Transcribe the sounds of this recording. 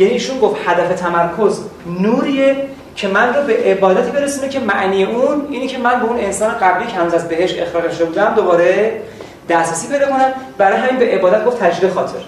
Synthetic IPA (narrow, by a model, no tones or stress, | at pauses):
jæniːʃunɡoft̪hæd̪æfe̞t̪ʰæmæɾkʰo̞znuːɾiːje | cʰe̞mænrobe̞ʔebɒːd̪æt̪ʰiːbe̞ɾesuːnecʰe̞mæʔniːjeʔuniːnicʰemænbeune̞nsɒːne̞ɣæbliːcʰehænuzæzbe̞ɦe̞ʃt̪exɾɒːɣeʃod̪ebuːd̪æmd̪obɒːɾe̞ | d̪̥æsɾæsiːped̪ekonæmbæɾɒːjeɦæmiːnbeʔebɒːd̪æt̪̚ɡoft̪ʰæd͡ʒiːd̪exɒːt̪ʰe̞̰ɾ